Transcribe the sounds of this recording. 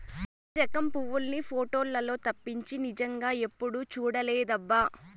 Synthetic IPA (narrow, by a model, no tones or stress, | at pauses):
iɾɐkɐmpuʋːulnipʰoːʈo̞ːlːɐlo̞ːt̪ɐpːiɲt͡ʃinid͡ʒɐŋɡaːe̞pːuɽut͡ʃuːɽɐlɛːd̪ɐbːa